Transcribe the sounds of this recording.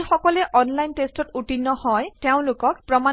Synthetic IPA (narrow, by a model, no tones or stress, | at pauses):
xɔkɔlɛʔɔnlajntestɔtuʈinːɔhɔjteʊ̃lʊkɔk̚pɹɔma